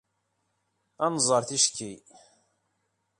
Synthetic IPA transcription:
ænzˤəɾθiʃki

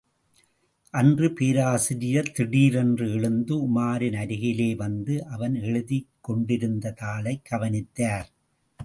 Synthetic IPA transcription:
ʔɐndrɯpeːɾaːsɪɾɪjɐt̪ɪɽiːɾɛndrɯɛɻɯnd̪ɯʊmaːɾɪnɐɾɪɣɪleːʋɐnd̪ɯʔɐʋɐnɛɻɯðɪkːɔɳɖɪɾɯnd̪ɐtaːlɐɪkːɐʋɐnɪt̪ːaːɾ

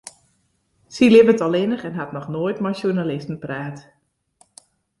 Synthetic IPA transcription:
silɪvətɔlɪnəχɛnɦatnɔxnoːjtmasjunalɪstn̩praːt

